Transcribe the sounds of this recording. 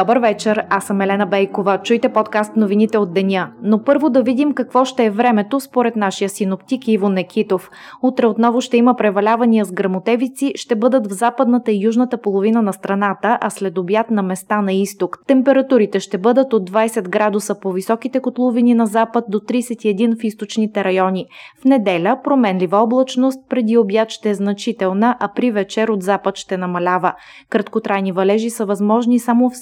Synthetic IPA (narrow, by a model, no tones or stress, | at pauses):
ɔbəɾvɛt͡ʃɛɾasəmɛlɛnəbɛjkovət͡ʃujt̪ɛpɔt̪kast̪novinit̪ɛod̪ːɛnʲənopɤɾvod̪ɐvid̪imkɐkvɔʃt̪ɛːvɾɛmɛt̪ospoɾɛt̪naʃijəsinopt̪ikivonɛkʰʲit̪of | ut̪ɾɛot̪nɔvoʃt̪ɛiməpɾɛvɐlʲavɐniəzɡɾɐmot̪ɛvit̪siʃt̪ɛbɤd̪ət̪vzapəd̪nət̪əijuʒnət̪əpolˠovinənɐst̪ɾɐnat̪əʔɐslɛd̪objat̪nɐmɛst̪anɐist̪okt̪ɛmpɛɾɐt̪uɾit̪ɛʃt̪ɛbɤd̪ət̪od̪ːvajsɛd̪ɡɾad̪usəpovisɔkit̪ɛkot̪lˠovininɐzapət̪̚d̪ot̪ɾijsɛt̪iɛd̪infist̪ot͡ʃnit̪ɛɾɐjɔnifnɛd̪ɛlʲəpɾomɛnlivɐɔblˠɐt͡ʃnost̪̚pɾɛd̪iobjat̪ʃt̪ɛːznɐt͡ʃit̪ɛlˠnəʔɐpɾivɛt͡ʃɛɾod̪zapət̪ʃt̪ɛnɐmɐlʲavə | kɾɐt̪kot̪ɾajnivɐlɛʒisəvɐzmɔʒnisamof